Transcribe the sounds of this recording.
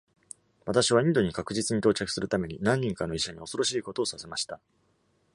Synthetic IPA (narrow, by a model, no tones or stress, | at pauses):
βat̪aɕiβ̞aĩnd̪o̞ɲ̟ikakɯ̟ʑit͡sɨɲ̟it̪o̞ːt͡ɕakɯ̟sɨɾɯ̟t̪ame̞ɲ̟inãɲ̟ːĩŋkanoiɕaɲ̟io̞so̞ɾo̞ɕiːko̞t̪o̞ːsase̞maɕi̥t̪a